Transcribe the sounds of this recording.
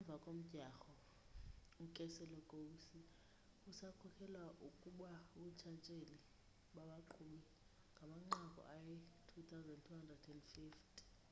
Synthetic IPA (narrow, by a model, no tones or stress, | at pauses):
ɛɱb̪vʱakʼom̩d̥ʱaxɔ | ukʼɛsɛlɔkʼousi | usakʰɔkʰɛlwaʔukʼuɓaɓut͡ʃʰat͡ʃʼeli | ɓaɓaǃʰuɓi | ŋɡʱamaŋ͡ǃakʼɔ̰ʔajɛtʰut̪ʰawzɛndtʰuhandrɛdɛndfiftʰʼ